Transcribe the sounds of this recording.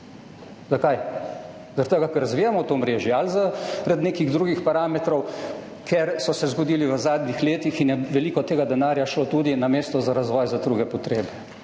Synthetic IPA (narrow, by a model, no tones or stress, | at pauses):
zakaj | zaɾɐt̪əɡakəɾazʋiːjamɔt̪omɾeːʒjɛalzaɾad̪neːkiɣd̪ɾuːɡixpaɾaːmɛt̪ɾɔw | kʰɛɾsɔsɛzɡɔd̪iːliʋəzaːd̪nixleːt̪ixinjɛʋɛliːkɔt̪eːɡad̪ɛnaːɾjaʃlot̪uːd̪inameːst̪ɔzaɾazʋɔːjzad̪ɾuːɡɛpɔt̪ɾeːbɛ